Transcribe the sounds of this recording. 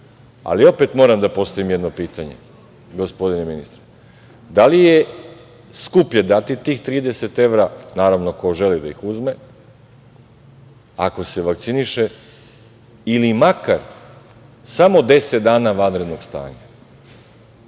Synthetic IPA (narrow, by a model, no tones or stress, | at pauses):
a̰lio̞pe̞t̪mo̞ɾamd̪apo̞st̪aʋimjed̪no̞piːt̪aɲe̞̰ | ɡo̞spo̞d̪ineminist̪ɾe | d̪alije̞ | skupʎe̞d̪at̪it̪iːxt̪ɾiːd̪e̞se̞t̪e̞ʋɾanaːɾaʋno̞koʒe̞lid̪aixuzme | ako̞se̞ʋakt̪siniʃe̞ | ilimakaɾ | samo̞d̪e̞set̪̚d̪aːnaʋanɾe̞d̪no̞ɡst̪a̰ːɲa